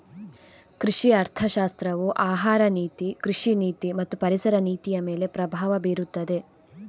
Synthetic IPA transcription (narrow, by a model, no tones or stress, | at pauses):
kɾiʂiɐɾt̪ʰɐʃaːst̪ɾɐʋuʔaːɦaːɾɐniːt̪ikɾiʂiniːt̪imɐt̪ːupɐɾisɐɾɐniːt̪ijɐme̞ːle̞pɾɐbʱaːʋɐbeːɾut̪ːɐd̪e̞